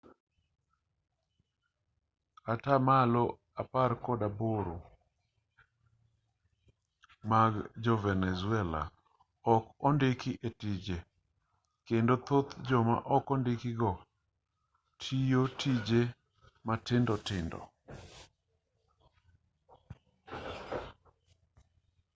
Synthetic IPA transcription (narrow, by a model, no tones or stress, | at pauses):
katamalo | apaɾkɔdaboɾo | maɡd͡ʒɔvɛnɛzʊɛla̰ | ɔkɔndɪkɪʔetid͡ʒe | kendot̪ot̪d͡ʒɔma̰ʔɔkɔndɪkɪɡɔ | tʰijotid͡ʒe | matɪndɔtɪndɔ̰